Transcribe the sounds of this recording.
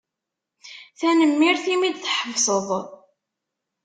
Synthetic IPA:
θænəmːiɾθimid̪θħəvsˤəðˤ

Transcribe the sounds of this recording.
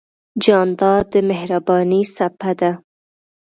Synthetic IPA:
d͡ʒɑnd̪ɑd̪əmehɾabɑnisapad̪a

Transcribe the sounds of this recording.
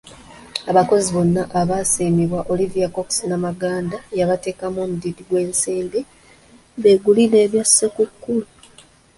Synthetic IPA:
aβako̞ziβo̞nːaʔaβaːsiːmiβwaʔo̞livijako̞ksinamaɡaːndajaβate̞ːkamoːmudidiɡwe̞ːnsiːmbi | βeɡuline̞ːβjasekukːulu

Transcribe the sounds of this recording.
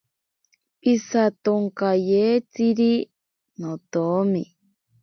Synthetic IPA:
isat̪oŋkajeːt͡siɾi | not̪omi

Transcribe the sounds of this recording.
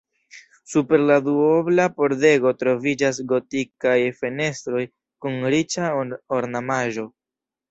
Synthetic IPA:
supe̞ɾladuoblapo̞ɾde̞ɡo̞tɾo̞vid͡ʒas̬ɡo̞tikajfene̞stɾo̞j | kunɾit͡ʃaoɾnamaʒo̞

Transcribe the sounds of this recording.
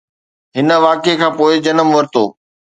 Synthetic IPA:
ɦɪnə̆ʋaːkekʰãːpoːɪd͡ʑɐnəmʋɐɾɪt̪o̰ː

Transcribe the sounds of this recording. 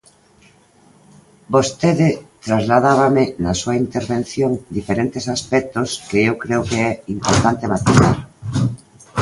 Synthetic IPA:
bost̪eðɪt̪ɾazlaðaβ̞amɪnasuaint̪eɾβen̟θjoŋd̪ifeɾent̪esaspɛk̚t̪oskeewkɾeokeɛimpoɾt̪ant̪emat̪iθaɾ

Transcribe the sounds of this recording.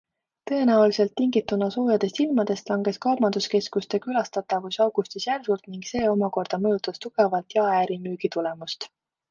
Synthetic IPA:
t̪ɤ̞e̞næulise̞lt̪ːiŋɡit̪ːˑunɑso̞ːjɑd̪̥e̞st̪ilmɑd̪̥e̞st̪lɑŋɡ̥e̞skɑːmɑnd̪̥uske̞skust̪e̞kylɑst̪ɑt̪ːˑɑvusɑwɡ̥ust̪isjærvult̪niŋɡse̞ːo̞mɑko̞rd̪̥ɑmɤjut̪ːˑɑst̪uɡ̥e̞vɑlt̪jɑæːɾimyːɡ̥it̪ule̞must̪

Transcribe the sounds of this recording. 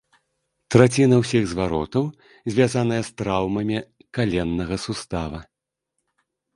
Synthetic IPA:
t̪ɾat͡sʲinɐwsʲiɣzvaɾɔ̰t̪ɐw | zʲvʲazanɐjɛst̪ɾawmɐmʲi | kalʲɛnːɐɣɐsust̪avɐ

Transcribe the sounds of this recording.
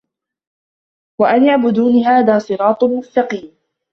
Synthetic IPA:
waʔanjaʕbʊd̪uːnɦaːðaːsˤɨɾɑːt̪ˤmʊst̪ɑqiːm

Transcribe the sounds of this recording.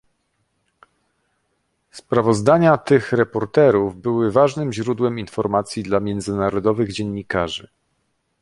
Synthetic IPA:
spɾavɔzd̪aɲat̪ɘxɾɛpɔɾt̪ɛɾuvbɘwɘvaʐnɘmʑɾud̪wɛminfɔɾmat̪sʲjid̪lamʲjɛnd̪zɘnaɾɔd̪ɔvɘɣd͡ʑɛɲːikaʐɘ

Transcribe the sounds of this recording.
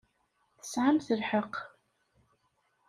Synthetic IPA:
θə̥sʕamθəlħəq

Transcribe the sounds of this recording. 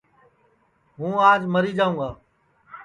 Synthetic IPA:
ɦũːaːd͡ʒməɾiːd͡ʒaːũːɡaː

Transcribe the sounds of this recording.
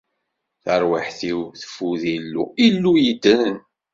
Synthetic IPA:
θəɾwaħθiwθə̥fuðilːṵilːujəd̪ːənn

